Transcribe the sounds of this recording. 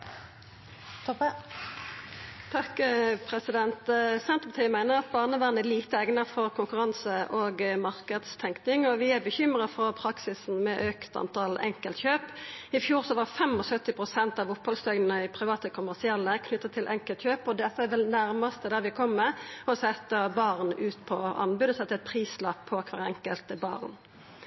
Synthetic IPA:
t̪ | t̪ʰɑkpʰʁɛsɪd̪ɛnt̪sɛnt̪ʁəpɑt̪iːəmæɪnəʁɑt̪̚bɑːʁnəʋæːʁnəliːt̪əɛɡnəʁfɔʁkʰʊŋkʉʁɑnsəʔoːɡmɑʁkəd̪st̪ʰɛŋknɪŋɔʋɪæbəçʏmʁəfɔʁpʰʁɑksɪsn̩mɛʔøːkt̪ɑ̰nt̪ʰɑlɛ̰ŋkəlt̪çøːpɪfjuːʁsɔʋɑʁfɛmɔsœt̪ːɪpʁʊsɛnt̪ɑʋʊphɔlst̪œɡnənəɪpʰɾɪʋɑːt̪əkʰʊmæʁsɪɛlːəkʰnʏt̪ːətt̪ʰɪlʔɛŋkəlt̪çøːpɔd̪ɛt̪ːəæʋɛlnæʁməst̪əd̪æʁʋɪkʰɔmːəɔsɛt̪ːəbɑʁnʉːt̪pʰɔɑ̰nbʉd̪ɔsɛt̪ːəɛt̪̚pʰʁiːslɑppʰɔkʰʋæʁɛ̰ŋkəlt̪əbɑ̰ːʁn

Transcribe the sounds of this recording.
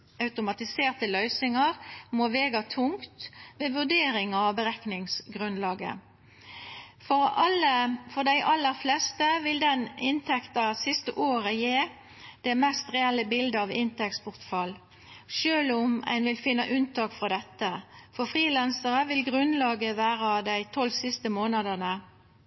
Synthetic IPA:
ɑʉt̪ʊmɑt̪ɪseːʁt̪əlœʏsnɪŋəʁmoːʋeːɡɑt̪ʰʊŋt̪meːʋʉʁd̪eːɾɪŋɑʋbəʁɛknɪŋsɡʁʉnlɑːɡə̰ | fɔʁɑləfɔd̪æɪʔɑlːəʁflɛst̪əʋɪld̪ɛnɪnt̪ʰɛkt̪ɑsɪst̪əʔoːɾəjeː | d̪̥ɛmɛst̪ʁɛɛlːəbɪld̪əɑʋɪnt̪ɛkspʰʊʁt̪fɑl | ʃøːlʊmæ̰ɪnʋɪlfɪnːəʔʉnt̪ʰɑːkfʁɑd̪ɛt̪ːəfɔfʁiːlɛnsəʁəʋɪlɡʁʉnlɑːɡəʋæːʁəd̪æɪt̪ʰɔlːsɪst̪əmoːnəd̪ənə

